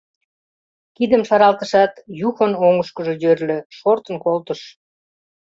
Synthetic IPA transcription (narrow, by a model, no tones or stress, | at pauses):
kid̪əmʃɑɾɑlt̪ə̆ʃɑt̪juxənoŋəʃkəʒe̽jørløʃort̪ənkolt̪əʃ